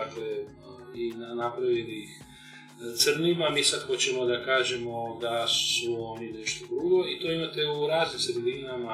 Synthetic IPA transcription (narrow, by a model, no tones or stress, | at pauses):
akle | inanapɾaʋilix | t̪sər̩nimamiːsad̪xo̞t͡ɕemo̞d̪akaːʒe̞mo̞d̪asuo̞ninɛʃt̪od̪ɾuɡo̞it̪o̞imat̪euɾaːznimsɾed̪inama